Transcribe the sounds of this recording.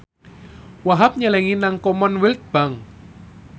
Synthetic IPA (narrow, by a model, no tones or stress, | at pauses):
waɦap̚ɲalɛŋinaŋkɔmɔnwilt̪̚b̥a̤ŋ